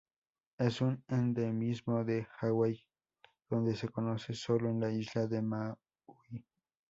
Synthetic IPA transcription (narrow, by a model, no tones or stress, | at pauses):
esonend̪emismod̪ehawej | d̪̥ond̪esekonosesoloenlaiʃlaðema | ui